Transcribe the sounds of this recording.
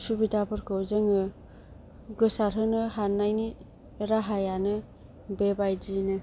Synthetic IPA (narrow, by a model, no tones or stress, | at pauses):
subidapʰɯɾkʰɯwzɯŋɯ | ɡɯsaɾɦɯnɯɦanːajni | ɾaɦajanɯ | bebajdinɯ